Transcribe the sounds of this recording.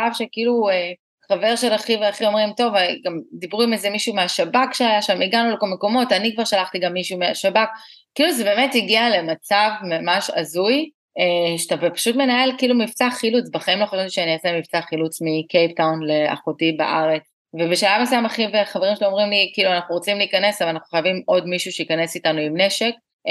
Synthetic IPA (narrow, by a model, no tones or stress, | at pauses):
avʃekiilue | χave̞ʁʃelaχiveaχio̞mʁimto̞vɡamd̪ibʁuimezemiʃumeaʃabakʃeajaʃamiɡanulekolme̞ko̞mo̞tanikvaʁʃalaχtiɡamːiʃumea̰ʃabakkːiːluzebe̞ːme̞tiɡiale̞mat͡savmamaʃa̰zuj | eʃetabepḁʃutme̞nae̞lkiːlumift͡saχilut͡sbeχaimlo̞χaʃavt̪iʃeaniasemift͡saχilut͡smikejptawnlea̰χotiba̰ʔaʁet͡s | vebeʃalavmasajamaχiveχaveimʃeloomʁimlikiːluanaχnuʁot͡simliikane̞savalanaχnuχajavimo̞dmiʃuʃeikane̞sitanuimne̞ʃe̞k̚